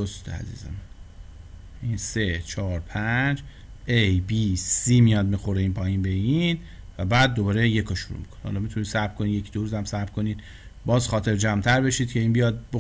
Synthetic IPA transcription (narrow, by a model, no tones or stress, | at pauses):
ost̪ʰḛæ̰zḭːzḛmæn | ʔiːnse̞t͡ʃʰɒːɾpʰæd͡ʒ | ʔejbisiːmijɒːd̪̚mixoɾeiːnpʰɒːjiːnbe̞in | væbæːd̪̚ːobɒːɾeje̞kʰoʃuɾṵmḭkʰoni̥hɒ̰ːlɒːmit̪ʰuniːsæb̥̚kʰoninjecʰid̪oɾuːzæmsæɾb̥kʰo̞niːd̪ | bɒːzxɒːt̪ʰe̞ɾd͡ʒæmt̪ʰæɾbe̞ʃid̪cʰe̞iːnbijɒːd̪̚bo